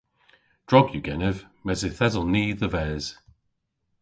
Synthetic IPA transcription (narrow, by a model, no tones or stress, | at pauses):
d̥ɹɔbjuɡ̥ɛnəv | mɛzɪθɛzəlˠniːðəvɛːz̥